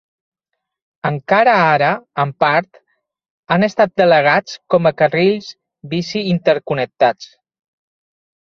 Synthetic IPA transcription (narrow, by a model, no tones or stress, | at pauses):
əŋkaɾəaɾəːmpaɾt̪ | anəst̪at̪̚d̪ələɣ̞at͡skɔməkəreʎz | βisiːnt̪əɾkunək̚t̪at͡s